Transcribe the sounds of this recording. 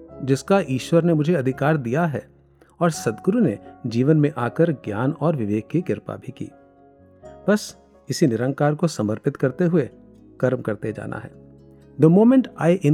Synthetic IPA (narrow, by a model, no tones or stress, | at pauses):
d͡ʒɪskaʔiːʃwəɾnemʊd͡ʒʱeɐd̪ʱɪkaːɾd̪ijaɦɛː | ɔːɾsɐd̪ɡʊɾuned͡ʒiːʋənmẽʔaːkəɾɡjaːnɔːɾʋɪʋeːkːikɪɾpa̰bʱikḭː | b̥ɐs | ɪsinɪɾə̃ŋkaːɾkosɐməɾpɪt̪kɐɾt̪eɦʊe | kɐɾmkɐɾt̪ed͡ʒa̰ːnʔa̰ɦɛ̰ː | d̪əmoːmẽɳʈaːɪʔɪ̃